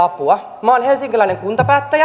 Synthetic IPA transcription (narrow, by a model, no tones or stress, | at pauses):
ɑpuɑ | mɑoːnhelsiŋkilæineŋkunt̪ɑpæːt̪ːæjæ